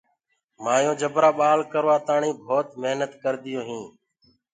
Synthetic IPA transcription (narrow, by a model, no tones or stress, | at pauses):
maːjõːd͡ʒəbɾaːɓaːlkəɾʋaːt̪aːɳĩːbʱoːt̪məɦnət̪kəɾd̪ɪjõːɦĩː